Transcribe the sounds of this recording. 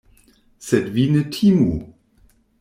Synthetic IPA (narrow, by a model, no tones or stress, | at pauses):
sɛtvinətʰimu